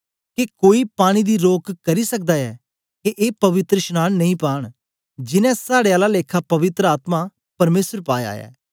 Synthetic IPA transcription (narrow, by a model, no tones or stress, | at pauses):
kekoːipaːɽ̃id̪iːɾoːkkɐɾiːsək̚d̪aːɛː | keʔeːpɐʋɪt̪ɾəʃnaːnnɐĩpaːɽ̃ | d͡ʒɪnɛ̃saːɽeaːlaleːkʰapɐʋɪt̪ɾəaːt̪maː | pɐɾmeːsəɾpaːja̰ːjɛ̰ː